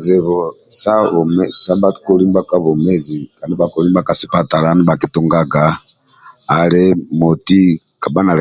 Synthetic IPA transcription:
zɛ˨βɔ˨ | sa˦βɔ˨mɛ˦sa˦ba˦ti̥˦ku˨li˦mba˦ka˦βɔ˨mɛ˦zi˨ka˨ndi˦ba˨ku˨ɾi˦mba˦ka˨si˦pa˦ta˨ɾa˦ni˦ba˨ki˦tu˦ŋɡa˦ɡaː˨ | lɛ˦mo˨ti˦ | ka˨ba˦na˨ɾɛ˨

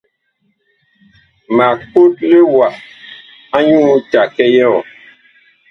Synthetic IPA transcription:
ma˨k͡po˦t̚le˦wa˨ʔ | a˦ɲũ˦t͡ʃa˨kɛ˦jɔ˦˨

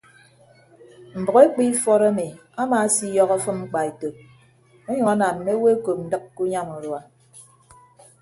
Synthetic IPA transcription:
m̩˨bɔ˨ɣe˦k͡pi˦fɔ˦ɾa˦mi˨a˦ma˨˦si˦jɔ˦ɣɔ˦fɨ˦mŋ͡m̩˦k͡pa˨e˨to˨p̚ | e˦ɲɔ˨ŋa˦na˨m̩˨˦me˦we˦ko˨p̚n̩˨˦dɨ˦kku˦ɲa˦mu˨ɾwa˨

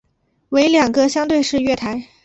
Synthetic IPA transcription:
we˧˥ɪljɑ˨˩ŋɡə˧ɕjɑ˥ŋt̪we˥˧ɪʂɻ̩˥˧ɥɛ˥˩t̪ʰa˧˥ɪ

